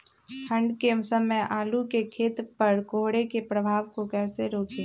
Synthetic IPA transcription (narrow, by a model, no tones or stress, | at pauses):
hʰə̃ɳɖkesəməjʔaːlukekʰeːt̪ɾpəɾkoːɦɽekepɾəbʱaːʋkokɛːseɾoːkeː